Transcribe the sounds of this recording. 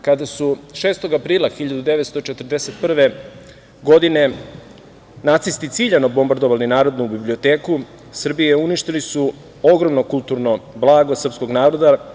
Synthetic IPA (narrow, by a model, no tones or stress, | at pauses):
kad̪asuʃe̞ːst̪o̞ɡapɾiːlˠaxiʎad̪ud̪eʋe̞t̪st̪o̞t͡ʃet̪r̩d̪ese̞t̪̚pr̩ʋe | ɡo̞d̪ine̞ | nat̪sist̪it̪siːʎanobo̞mbaɾd̪o̞ʋalinaːɾo̞d̪nubiblio̞t̪eːku | sr̩bijeuniʃt̪ilisu | o̞ɡɾo̞mno̞kult̪uɾno̞blˠaːɡo̞sr̩pskoɡnaːɾo̞d̪a